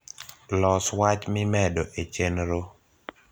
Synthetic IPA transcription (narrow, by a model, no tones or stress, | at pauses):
lɔswat͡ʃmɪmɛdoʔet͡ʃenɾo